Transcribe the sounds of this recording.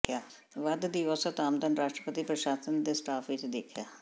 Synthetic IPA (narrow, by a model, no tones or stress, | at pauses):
kjaː | ʋɐd̪d̪iʋɔːsət̪aːmd̪ənɾaːʃʈɾəpət̪ipɾəʃaːsənd̪esʈaːfʰʋɪt͡ʃd̪eːkʰjaː